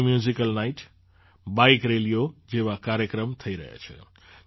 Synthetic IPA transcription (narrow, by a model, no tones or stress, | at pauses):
mjuzikəlnaiʈ | baikɾelijod͡ʒeʋakaɾjəkɾəmt̪ʰəiɾə̰ɦḛt͡ʃʰə̰